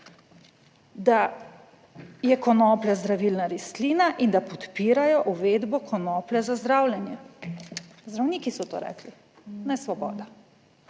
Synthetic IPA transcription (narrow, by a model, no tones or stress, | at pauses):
d̪a | jɛkɔnɔːplɛzd̪ɾaʋiːlnaɾisliːnaʔind̪apɔt̪piːɾajɔʔuʋeːd̪bɔkʰɔnɔːplɛzazd̪ɾawlʲjɛnjɛ | zd̪ɾawniːkisɔt̪o̰ːɾɛ̰ːkli | nɛsʋɔbɔ̰ːd̪a